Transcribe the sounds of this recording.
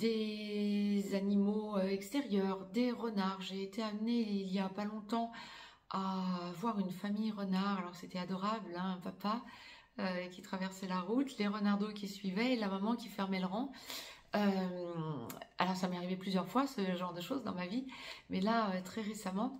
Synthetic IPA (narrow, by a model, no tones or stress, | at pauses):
d̪̥e | zanimoøɛkst̪ɛʁjœːʁd̪eʁənaʁʒeːt̪ʰeamneiljapalɔ̃t̪ɑ̃ | avwaʁynfamijʁənaʁalɔʁset̪ɛad̪ɔʁablɛ̃ɛ̃papa | økʲit̪χavɛʁsɛlaʁut̪leʁənaʁd̪okʲisɥivɛlamamɑ̃kʲifɛʁmɛləʁɑ̃ | øm | alɔʁsamaʁivɛplyzjœʁfwasəʒɑ̃ʁd̪əʃozd̪ɑ̰̃mavimɛlaøt̪χɛʁesamɑ̃